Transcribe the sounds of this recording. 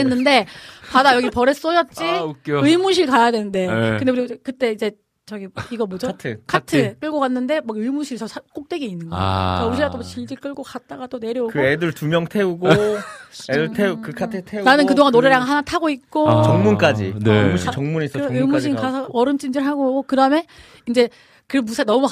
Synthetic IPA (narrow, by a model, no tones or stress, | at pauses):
enːɯnde̞padajʌɡipʌɾes͈ʌd͡ʑʌt̚t͡ɕ͈ikɯimuɕʰiɭkajadwenɯnde̞ɯndeuɯɾiɡkɯt͈e̞id͡ʑe̞ | t͡ɕʌɡiiɡʌmʌd͡ʑotʰɯkʰatʰɯk͈ɯɭɡokanːɯnde̞maɯimuɕʰiɾisʰʌsʰak͈ok̚t͈we̞ɡeinːɯnɡʌ̰t͡ɕauɕʰiat͈ot͡ɕiɭd͡ʑik͈ɯɭɡokat̚t͈aɡat͈one̞ɾjʌukɯedɯɭtumjʌŋtʰe̞uɡo | eɯɭtʰeukɯkʰatʰɯtʰenanɯnkɯdoŋanoɾeɾaŋɦanatʰaɡoik̚k͈ot͡ɕʌŋmunk͈ad͡ʑḭnɯmuɕit͡ɕʌŋmunesʰʌɯimuɕ̬ʰiŋkasʰʌʌɾɯmt͡ɕ͈ind͡ʑiɭɦaɡoɡokɯdame̞ | ind͡ʑe̞ | kɯɾmːusʰanʌmu